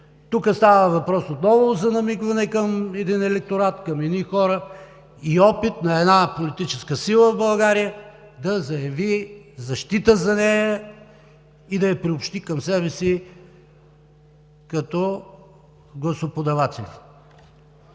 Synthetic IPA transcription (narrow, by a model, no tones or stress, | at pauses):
t̪ukəst̪avəvɐpɾɔsot̪nɔvozɐnɐmikvɐnɛkəmɛd̪inɛlɛk̚t̪oɾat̪kɐmɛnixɔɾə | iɔpit̪̚nɐɛd̪napolit̪it͡ʃɛskəsilˠəvbɐlˠɡaɾijə | d̪ɐzɐjɐvizɐʃt̪it̪əzɐnɛjə | id̪ɐjɐpɾiopʃt̪ikɐmsɛβɛsi | kɐt̪ɔ | ɡlˠɐsopod̪ɐvat̪ɛlʲi